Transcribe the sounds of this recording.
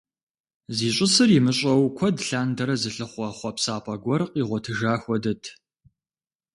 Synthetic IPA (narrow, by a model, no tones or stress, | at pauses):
ziːɕʷʼɪsɨrimɨɕʼɐwkʷʰɔdɬaːndɐɾɐzɨɬɨχʷɐχʷɔpsaːpʼɐɡʷɔrqiːʁʷɔtʰɨʒaːxʷɔdɨtʰ